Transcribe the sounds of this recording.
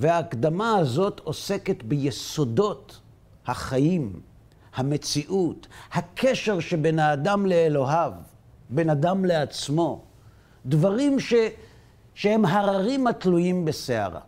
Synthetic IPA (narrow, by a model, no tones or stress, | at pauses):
veaːkd̪amaːzo̞t̪o̞se̞ke̞t̪bejeso̞do̞t | haχajim | hame̞t͡siʔuthakʰe̞ʃe̞ʁʃebenaːdamle̞ːlo̞ɦavbe̞nad̪amle̞at͡smo̞ | d̪vaʁimʃe | ʃehe̞mɦaʁaʁimatlujimbesea̰ʁa̰